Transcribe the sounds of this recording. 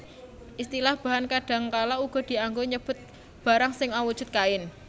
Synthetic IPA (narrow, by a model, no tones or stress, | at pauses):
ʔist̪ilahb̥a̤ɦankaɖ̥a̤ŋkalauɡ̥ɔ̤d̪̥i̤aŋɡoɲəb̥ʊ̤t̪̚ | b̥a̤ɾaŋsɪŋawud̥ʒ̥ṳt̪̚kaɪn